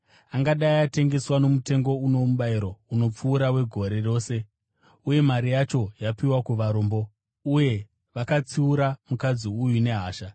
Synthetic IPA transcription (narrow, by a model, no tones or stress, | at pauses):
aŋɡaɗaiate̞ŋɡe̞swano̞mute̞ŋɡo̞uno̞muɓaiɾo̞uno̞p͡fuːɾawe̞ɡʱo̞ɾe̞ro̞ːse̞ | uje̞maɾijat͡ʃo̞japiwakuʋaɾoːmbo̞ | uje̞ | ʋakat͡siuɾamukad͡ziujune̞ɦaːʃa